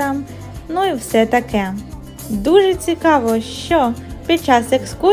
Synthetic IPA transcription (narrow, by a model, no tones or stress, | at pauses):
ɑm | nuiwsɛt̪ɐkɛ | d̪uʒɛt͡sʲikɑʋɔʃt͡ʃɔpʲid̪̚t͡ʃɑseksku